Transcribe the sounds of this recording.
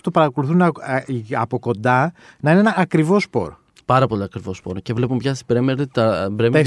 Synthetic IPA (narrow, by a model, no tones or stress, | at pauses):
t̪opɐɾɐko̞luθunɐɐpo̞ko̞nd̪ɐ | nɐineenɐɐkɾivo̞spo̞̰ɾ | pɐɾɐpo̞liɐkɾivo̞spo̞̰ɾcevle̞pumpçɐst̪i̥bɾemeɾt̪ɐbɾeme